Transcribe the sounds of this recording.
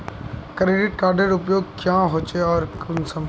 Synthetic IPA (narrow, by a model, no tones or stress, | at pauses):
kɾeːɖɪʈ̚kaːɖeɾʊpjoːɡ̚kjãːɦoːt͡ʃeɔːɾkʊnsə̃m